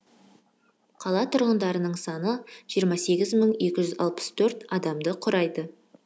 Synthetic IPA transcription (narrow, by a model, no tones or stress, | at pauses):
qʰɑlˠɑt̪ʰʊɾʁənd̪ɑɾənəɴsɑnəʒ̥ijəɾmɑse̞ɡʲɪzməɴe̞kʲɪʒʏzɑ̰lˠpə̥st̪ʰɵɾt̪ɑd̪ɑmd̪əqʰʊɾɑjd̪ə